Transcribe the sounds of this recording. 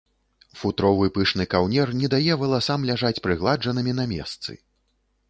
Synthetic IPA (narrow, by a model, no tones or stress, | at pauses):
fut̪ɾɔvɨpɨʂnɨkawnʲɛrnʲɛd̪ajɛvɐlˠasamlʲaʐat͡sʲpɾɨɣlˠad͡ʐɐnɨmʲin̪ɐmʲɛ̰st̪sɨ̰